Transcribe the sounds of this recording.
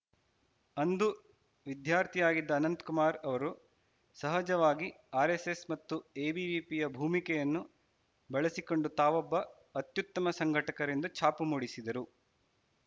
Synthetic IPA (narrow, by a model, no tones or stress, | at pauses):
ɐnd̪u | ʋid̪jaːɾt̪ʰijaːɡid̪ːɐːnɐnt̪kumaːɾɐʋɐɾu | sɐɦɐd͡ʒɐʋaːɡi | aːɾesesmɐt̪ːue̞ːbiʋipijɐbʱuːmikɛjɐnːu | bɐɭɐsiko̞ɳɖut̪aːʋɔbːɐː | t̪jut̪ːɐmɐsɐŋɡʱɐʈɐkɐɾend̪ut͡ʃʰaːpumuːɽisid̪ɐɾu